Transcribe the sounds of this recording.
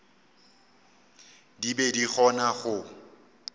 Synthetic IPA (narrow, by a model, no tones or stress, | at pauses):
dibediχɔnaɣʊ